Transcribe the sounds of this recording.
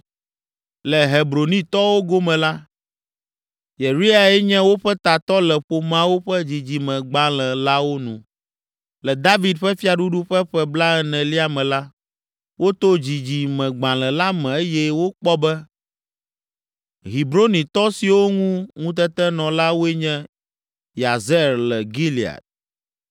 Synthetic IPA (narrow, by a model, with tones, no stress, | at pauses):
lɛ˨ɦe˨bɾo˨nĩ˦t̪ɔ˦wo˦ɡo˦mɛ̃˨la˦ | je˨ɾi˦a˨ɛ˦ɲɛ̃˦wo˦ɸɛ˦t̪a˨t̪ɔ˦lɛ˨ɸo˨mã˦wo˦ɸɛ˦d͡ʑi˨d͡ʑi˨mɛ̃˨ɡ͡bã˦lɛ̃˨la˦wo˦nṵ̃˨ | lɛ˨d̪a˦vi˨d̪ɸɛ˦fi˦a˨ɖu˦ɖu˦ɸɛ˦ɸɛ˦bla˦ɛ˦nɛ̃˨li˦a˨mɛ̃˨la˦ | wo˦t̪o˦d͡ʑi˨d͡ʑi˨mɛ̃˨ɡ͡bã˨lɛ̃˨la˦mɛ̃˨e˦jɛ˦wo˦k͡pɔ˦bɛ˦ | ɦi˨bɾo˦nĩ˨t̪ɔ˦si˨wo˦ŋũ˦ŋũ˦t̪̬ɛ˦t̪ɛ˦nɔ̃˨la˦wo˦ɛ˦ɲɛ̃˦ | ja˨zɛ˦ɾlɛ˨ɡi˦li˨a̰˨t̪̚